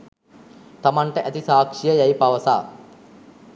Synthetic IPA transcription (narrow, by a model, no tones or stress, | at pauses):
t̪ɐmɐɳʈɐʔɐt̪isaːkʂijɐjɐjpɐʋɐsa̰ː